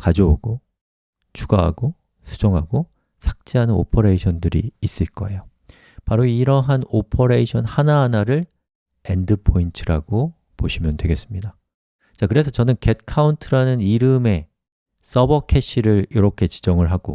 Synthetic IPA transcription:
kad͡ʑouɡo | t͡ɕuɡaɦa̰ɡo | sʰu̥d͡ʑoŋɦaɡo | sʰak̚t͡ɕ͈eɦanɯno̰pʰʌɾeiɕʰʌndɯɾḭːs͈ɯɭk͈ʌe̞jo | paɾoiɾʌɦanopʰʌɾeiɕʰʌnhanaɦanaɾɯɭ | e̞ndɯpʰointʰɯɾaɡo | poɕʰimjʌndwe̞ɡe̞s͈ɯmɲida | t͡ɕakɯɾe̞s̬ʰʌt͡ɕʌnɯnke̞t̚kʰauntʰɯɾanɯniɾɯme̞ | s͈ʌbʌkʰe̞ɕʰiɾɯɾjiɾʌkʰe̞t͡ɕi̥d͡ʑʌŋɯɭɦaɡ̥o̰

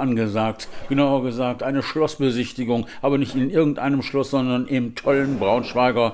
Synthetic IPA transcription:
ʔanɡəzaːk̚tɡ̥ənaʊɐɡəzaːk̚tʔaɪnəʃlɔsb̥əzɪçtɪɡʊŋʔaːbɐnɪçtɪnʔɪɐɡŋ̩tʔa̰ɪnəmʃlʊsz̥ɔndɐnʔɪmtʰɔlənbʁaʊnʃv̥aɪɡɐ

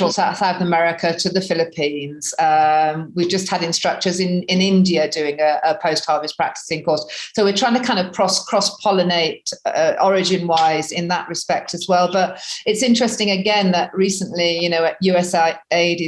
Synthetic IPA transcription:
ɔtsaʊθsaʊθəmɛɹɪkʰətʰɨðəfɪlɪpʰĩnz̥ʌ̃mwivd͡ʒʌst̚həɾɪ̃nstɹ̥ʌk̚t͡ʃə˞zɪ̃nɪ̃nɪ̃ndiɨdʉɪ̃ŋəəpʰəʊsthɑˑɹvɨstpʰɹ̥a̰k̚tɪ̥sɪ̃ŋkʰɔɹssoʊwɨtʰɹ̥aɪɪ̃ŋtʰɨkʰãɪ̃ndəv̥kʰɹ̥ɒskʰɹ̥ɒspʰɒlˠɨneɪtʌʔɔɹɪd͡ʒɨ̃nwaɪzɪ̃nðəʔɹɨspɛk̚tʰɨzwɛlˠbʌɾɨtsɪ̃nt͡ʃɹ̥ɛstɪ̃ŋɨɡɛ̃nðəʔɹiˑsə̃nʔlijɨnoʊjʉɛsaɪeɪɾɪ

